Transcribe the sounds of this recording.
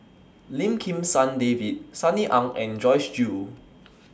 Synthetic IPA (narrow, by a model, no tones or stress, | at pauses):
lĩmkʰĩmsãndevit̚saniʔãŋɛ̃nd͡ʒɔɪsd͡ʒu